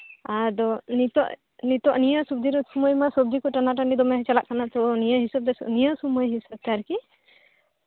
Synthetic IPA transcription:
ad̪ɔnit̪ɔʔ | nit̪ɔʔnijasub̚d̪iɾɔsumojmasub̚d̪ikɔʈanaʈaɳɖid̪ɔmɛɦt͡ʃalaʔkanat̪ɔnijaɦisab̚d̪ɛsnijasumɔjɦisəb̚t̪aɾki

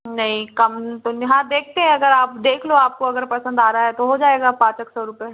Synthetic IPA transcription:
nɐɦĩkɐmt̪oɦãːd̪eːk̚ʰt̪eɦɛ̃ɐɡəɾaːp̚d̪eːkʰloaːp̚koɐɡəɾpɐsə̃nd̪aːɾaaɦɛt̪oɦod͡ʒaːeːɡapãːt͡ʃeksɔːɾʊpe

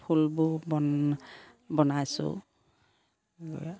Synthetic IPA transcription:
pʰulbʊbɔ | bɔnajsʊ̰

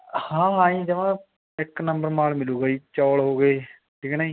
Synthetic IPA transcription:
hãːɦãːĩːd͡ʒ̪ɪʋãː | ɪknəmbəɾmaːlmɪluːɡaiːt͡ʃɔːlɦoːɡeː | ʈʰiːkɛːnəiː

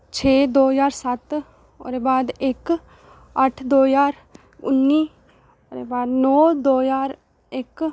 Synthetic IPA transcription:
t͡ʃʰeːd̪oːjaːɾsɐt̪ | o̰ɾeːbaːd̪ɪk | əʈʰd̪oːjaːɾ | ʊ̰nːiː | oːɾeːbaːd̪nɔːd̪oːjaːɾ | ɪk

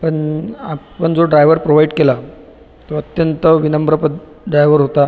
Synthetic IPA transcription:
pəɳapəɳd͡zoɖɾajʋəɾpɾoʋajiɖkela | t̪oət̪jənt̪əʋinəmbɾəpə | ɖɾajʋəɾɦot̪a

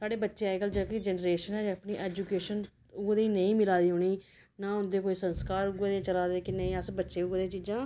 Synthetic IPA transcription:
saːɽeːbətːʃeːaːeːɡəld͡ʒãːkid͡ʒɛːnɾeːʃənɦɛːd͡ʒapniːʔɛːd͡ʒukeːʃən | ʊd̪eiːnəĩːmɪlaːd̪iːɦoːɳiː | naːʊnd̪eːkoːiːsənskaːɾʊɡeːd̪ẽːt͡ʃəlaːd̪eːkɪnəĩːəsbətːʃeːʊɡd̪eːt͡ʃɪd͡ʒãː

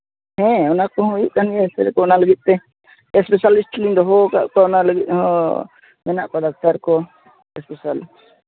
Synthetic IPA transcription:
hɛ̃ɔnakɔɦɔ̃jiʔkaniɛsɛɾɛkɔɔnaləɡit̪̚ˀt̪ɛ | ɛspɛsalisʈlind̪ɔɦɔka̰ʔkɔɔnaləɡit̪̚ɦɔ̃ | mɛnaʔpɔd̪ak̚ʰt̪aɾkɔ | ɛspɛsal

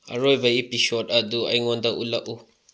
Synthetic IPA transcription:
a̰ɾɔivaipiʃɔdad̪ua̰iŋɔnd̪aʔṵlaʔu

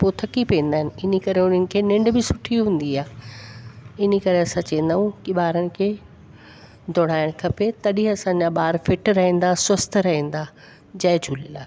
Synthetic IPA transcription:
poːt̪ʰɐkipiẽn̆d̪aːɪnɪ̆ɪnikɐɾeʊnənɪ̆kʰeːnɪ̃ɳɖbɪsʊʈʰiuɦũːn̆d̪iaːɦɪ | ɪnikɐɾeɐsãt͡ɕɐ̃ẽn̆d̪aːũkiɓaːɾəɽɪ̆kʰeː | d̪ʱoːɽ̤̃aːɪɽ̃kʰɐpet̪ɐɗiɦɐsãɲd͡ʑaɓaːɾfɪʈɾɐɦĩːn̆d̪aswɐst̪ʰɾɐɦĩːn̆d̪a | d͡ʑɐːd͡ʑʱuːlilaː

